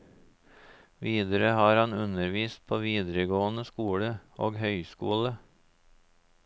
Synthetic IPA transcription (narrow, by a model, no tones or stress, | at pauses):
ʋiːd̪əɾəhɑːɾhɑnʉnəɾʋiːst̪̚pʰoːʋiːd̪əɾəɡoːənəskuːɽəʔoːɡhœʏskṵːlə